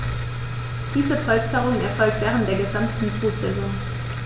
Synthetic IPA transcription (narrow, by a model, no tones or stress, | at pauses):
d̥iːzəfʰɔlstʰaʁʊŋənɛɐfɔlk̚tv̥ɛːʁəntd̥eːɐɡəzamtn̩fʁuːtz̥ɛzɔŋ